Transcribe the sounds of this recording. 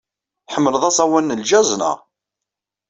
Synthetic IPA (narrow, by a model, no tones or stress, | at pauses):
ħəmːələðˤɑsˤɑwænːəlʒæzˤnə̰ʁ